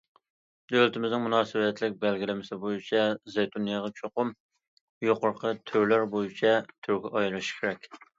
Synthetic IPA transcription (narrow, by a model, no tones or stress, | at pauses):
d̪ølt̪ʰɪmɪznɪŋmunɑːsɪwɛt̪lɪk̚ʲbɛlɡʲilɪmɪsɪbojit͡ʃʰɛzejt̪ʰunijɑʁɑt͡ʃʰoqʊm | joqʊɾqʰət̪ʰøɾlæɾbojit͡ʃʰɛt̪ʰyɾɡʲɛʔɑjlˠɨʃkʲʰeɾɛkʲ